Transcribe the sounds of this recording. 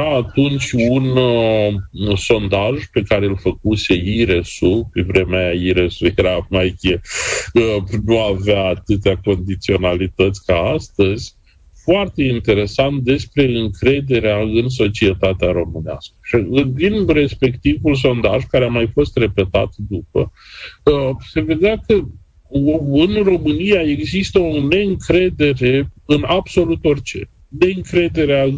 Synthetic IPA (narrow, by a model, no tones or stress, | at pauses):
aːt̪unt͡ʃʲun | so̞nd̪aʒpe̞kaɾelfəkuse̞iɾe̞supevɾe̞meajaiɾesujeɾamajkʲe | nuaveaːt̪ɨt̪̬eako̞nd̪it̪sio̞nalit̪ət̪sʲkaast̪əz̥ʲ | foart̪e̞int̪e̞ɾe̞sant̪̚d̪e̞spɾe̞ɨŋkɾe̞d̪e̞ɾeaɨns̬o̞t͡ʃie̞t̪at̪eaɾo̞mɨnea̰skə̥ʃiɨd̪inre̞spe̞kt̪ivuls̬o̞nd̪a̰ʒkaɾeamajfo̞st̪re̞pe̞t̪a̰t̪d̪up̚ə | se̞ve̞d̪eakə | ɨnro̞mɨnijae̞ɡzist̪əone̞ɨŋkɾe̞d̪e̞ɾe̞ɨnabso̞lut̪o̞rʲt͡ʃe̞̰ | ne̞ɨŋkɾe̞d̪e̞ɾea